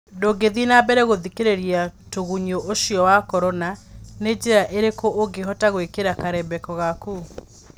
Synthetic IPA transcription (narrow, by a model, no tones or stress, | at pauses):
doɡeðinabɛɾɛɣoðikeɾeɾiatoɣuɲoʔoʃiɔwakɔɾɔnaned͡ʑeɾaʔeɾekoʔoɡeɦɔtaɣwekeɾakaɾɛbɛkɔɣakuː